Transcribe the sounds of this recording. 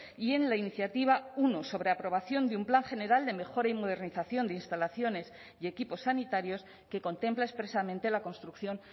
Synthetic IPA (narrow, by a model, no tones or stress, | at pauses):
ie̞nlainiθjat̪iβ̞aunoso̞β̞ɾe̞apɾo̞β̞aθjo̞nd̪eumplaŋxe̞ne̞ɾald̪e̞me̞xo̞ɾaimo̞ð̞e̞ɾniθaθjo̞nd̪einst̪alaθjo̞ne̞s | ie̞kipo̞sːanit̪aɾjo̞s | ke̞ko̞nt̪e̞mplaespɾe̞samẽnt̪e̞lako̞nst̪ɾukθjo̞n